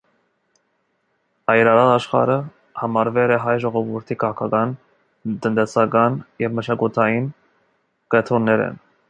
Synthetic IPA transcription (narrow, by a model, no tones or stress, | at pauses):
ɑjɾɑɾɑlɑʃχɑ̰ɾə | hɑmɑɾvɛlɛɦɑjʒɔʁɔvuɾt̪ʰikʰɑʁɑkʰɑkɑn | t̪ənt̪ɛsɑkɑnjɛvməʃɑkut̪ʰɑjin | kɛt̪ʰɾɔnːɛɾɛ̰n